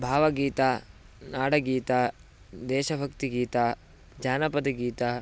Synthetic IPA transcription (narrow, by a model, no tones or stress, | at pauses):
bʱaːʋɐɡiːt̪aː | naːɽɐɡiːt̪aː | d̪ɛːʃɐbʱɐkt̪iɡiːt̪aː | d͡ʒaːnɐpɐd̪ɐɡiːt̪aː